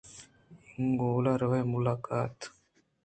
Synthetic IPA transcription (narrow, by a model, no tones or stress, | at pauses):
ŋɡoːlaɾɐʋɐjmulaːkaːt̪